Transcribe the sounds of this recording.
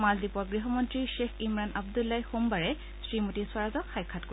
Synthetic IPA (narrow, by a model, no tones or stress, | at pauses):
maldipɔɹɡɹiɦɔmɔntɹiʃeximɹanʔabdulːajxumbaɹɛ | sɹimotiswaɹazɔkxajkʰatk